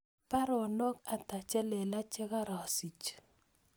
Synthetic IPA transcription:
pa˦ɾɔ˨nɔ˦ka˨ta˨t͡ʃɛ˦lɛ˨la˦t͡ʃe˦ka˦ɾɔ˨si˨t͡ʃ

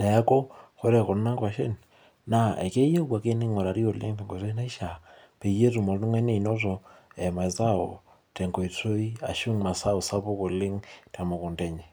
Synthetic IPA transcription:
nɛ˨ja˦kɔ˦ko˦ɾɛ˨kɔ˨na˦kwa˨ʃḛ˦n | na˦ḛ˨ke˦je˦wa˨ke˦nɪ˦ŋɔ˨ɾa˨ɾi˦o˨lɪ̰˦ŋtɛ˨ŋɡo˨to˦na˦i˦ʃa˨ | pe˨je˦tu˨mɔ˨lnu˦ŋɛ˦ne˨i˨nɔ˦tɔ˨ɛ˨ma˨jza˦o˨ | tɛ˨ŋɡo˨i˨to˦i˦a̰˨ʃu˦ŋma˨sa˦o˨sa˦pʊ˦ko˨lɪ˦ŋta˨mo˨kʊ˨ntɛ˦ɲɛ˨

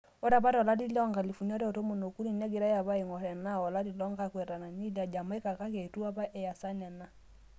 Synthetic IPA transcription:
ɔ˦ɾa˨ba˦ɾɔ˨la˦di˦lɔ˦ŋɡa˨li˨fu˨na˦ɾɛ˦ɔ˨to˦mo˨no˨ku˦ni˦˨nɛ˦ɡe˨ɾa˦ja˨βa˦i˨ŋɔ˨ɾɛ˨na˦ɔ˨la˦di˨lɔ˦ŋɡa˦kwɛ˨ɾa˨na˨ɲi˦la˨d͡ʒa˨m˦ɛ˦ka˨ka˦ke˨tu˦a˦ba˦ʔɛ˨ja˨sa˦nɛ˨na˦

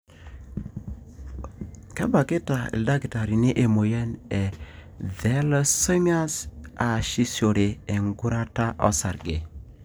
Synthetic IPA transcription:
kɛ˦ba˨ke˦ta˨ḭ˨lda˦ɡi˨ta˨ɾi˨ni˦ʔe˨mo˨jɛ˦nɛ˨ | ðɛ˦lso˦mi˦a˦sa˨ʃi˦so˨ɾe˨e˨ŋɡu˦ɾa˦ta˦ʔɔ̰˦sa˨ɾɡe˨

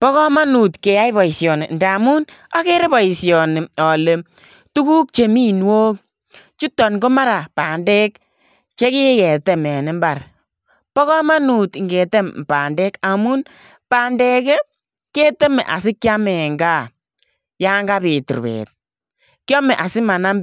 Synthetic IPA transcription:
pɔ˦kɔ˦ma˦nu˨tke˨ja˦jbɔ˨i˨sjɔ˨ne˨nda˨mu˦na˦ke˦ɾe˦bɔ˨i˨sjɔ˨nɪ˨ɔ˨le˨ | tu˦ku˦k̚t͡ʃe˨mi˦˨nwoː˦k̚ | t͡ʃu˦tɔ˨nɡo˦ma˦ɾa˨pa˨ndɛ˦k | t͡ʃe˦kɪ˦kɛ˨te˨mɛ˨nɪ˨mba˨r | pɔ˦kɔ˦ma˦nu˨tŋɡe˨te˦mpa˨ndɛ˦ka˨mu˦n | paː˨ndɛ˦kɛ˦ | ke˦te˦mḛ˨ʔa̰˨s̬ɪ˦kːja˦mɛ˨ŋɡa˦ | ja˦ŋɡa˦pɪ˨tṵ˨rbḛː˨t̚ | kjɔ˦mɛ˨ʔa˨sɪ˦ma˨na˦m

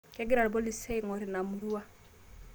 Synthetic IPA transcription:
kɛ˦ɡi˦ɾa˨lbɔ˦li˨sɛ˦jŋɔ˨ɾi˨na˨mu˨ɾu˦a˦

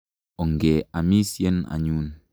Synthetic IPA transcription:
ɔ˨ŋ˨ɡe˨a˨mi˦sje˦na̰˨ɲu˦n

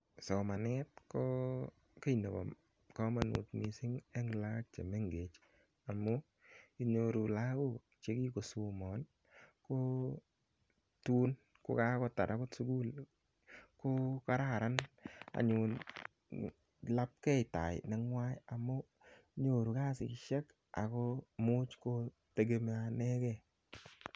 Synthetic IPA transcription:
sɔ˨ma˨nɛ˦t̚kɔ˦ | ke˦jne˨bɔ̰˨ | kɔ˦ma˨nṵ˨tmi˨sɪ˦ŋɛ˦ŋla˦k̚t͡ʃḛ˨me˦ŋɡe˨t͡ʃ | a˨mɔ˦ | i˦ɲo˧ɾu˨la˦ko˦ | t͡ʃe˦ki˦ko˨su˨mɔ˨n | ko˦ | tu˦n | kʊ̰˦ka˦kɔ˦ta̰˨da˨˦kʊ˦tsu˦ɡu˦l | ko˦ka˦ɾa˦˨ɾa˦na̰˨ɲʊ˨n | la˦p̚kɛ˦ɪ˨ta̰˨ɪ̰˨nɛ˨ŋwa˦ja˨mːɔ˦ | ɲo˨ɾu˨ka˦sɪ̰˨kɪ˦ʃɛ˦k | a̰˨kɔ˦mʊ˦t͡ʃko˦ | te˨ɡe˨˦m˦a˨nɛ˦kɛ˦˨

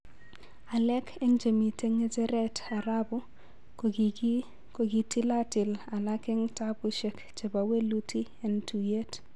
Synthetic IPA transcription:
a˨lɛ˦kʰe˦ŋd͡ʒe˨mi˨te˦ŋe˦tɛ˦ɾɛ˦ta˨ɾabʊ˦ | ko˨ɡi˨ti˦la˦tɪ˨la˨la˦kɪ˦ŋtabʊ˦ʃe˨k | t͡ʃe˨ba˨we˦lu˦tʰi˦ | ɛ˨ntu˨je˦t

